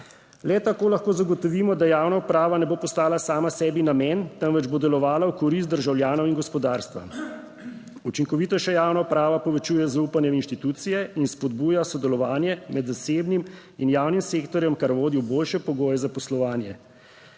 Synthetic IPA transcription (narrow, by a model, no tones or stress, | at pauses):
lɛt̪akoːlaxkoːzaɡɔt̪ɔʋiːmɔd̪ajaːwnaupɾaːʋanɛbopɔst̪aːlasaːmasɛːbinamɛnt̪əmʋɛd͡ʒbod̪ɛlɔʋaːlawkɔɾis̬t̪̚d̪əɾʒawljaːnɔwinɡɔspɔd̪aːɾst̪ʋa̰ | ut͡ʃiŋkɔʋiːt̪ɔʃɛjaːwnaupɾaːʋapɔʋɛt͡ʃuːjɛzauːpanjɛinʃt̪it̪uːt̪sijɛinspɔd̪buːjasɔd̪ɛlɔʋaːnjɛmɛd̪zaseːbnim | injaːwnimseːkt̪ɔɾjɛmkaɾʋoːd̪iwboːlʃɛpɔɡoːjɛzapɔslɔʋaːnjɛ